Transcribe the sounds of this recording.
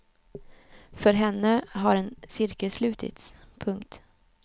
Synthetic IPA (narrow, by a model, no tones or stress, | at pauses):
fœɾɦɛnːəɦaɾɛnsɪɾkəlslʉ̟ːt̪ʰɪ̰t̪spʰɵŋk̚t̪